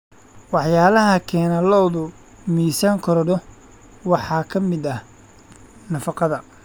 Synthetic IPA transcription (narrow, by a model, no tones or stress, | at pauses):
wɑħjaːlɐɦɐkʰɛːnɐlɔwðʊ | miːsaːŋkʰɔɾɔɖɔ | wɑħɑːkʰɐmɪd̪ɐ | nɐfɑqɑðɐ